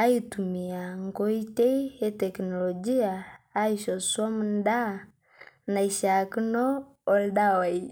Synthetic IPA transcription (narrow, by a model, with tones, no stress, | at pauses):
a˦i˦tu˨mi˨a˨ŋɡo˦i˦te˦i˦e˦tɛ˨knɔ˨lɔ˨d͡ʒi˦aː˨˦i˦˨ʃɔ˨swɔ˦munda˦˨ | na˨i˨ʃa˨ki˦nɔː˦˨˦ | lɗa˦wa˨i˦